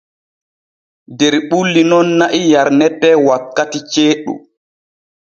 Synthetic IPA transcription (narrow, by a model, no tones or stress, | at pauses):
dɛɾɓulːinɔnːaʔijaɾnɛtːɛwakːatit͡ʃeːɗṵ